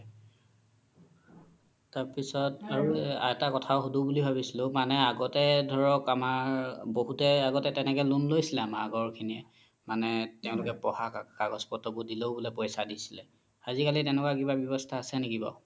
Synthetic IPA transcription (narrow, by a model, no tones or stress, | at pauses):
taɹpisɔtaɹuɛtakɔtʰaʊxudubulibʱaβisilʊ̃manɛaɡɔtɛdʱɔɹɔkamaɹboɦutɛaɡɔtɛtɛnɛkɛlunlojsilɛamaaɡɔɹkʰiniɛ̰ | manɛtɛʊ̃lʊkɛpɔhakakaɡɔzpɔtɔbudiloʊbulɛpɔjsadisi̥lɛ | azikalitɛnɛkwakibabjɔbɔstʰaːsɛnekibɔ̰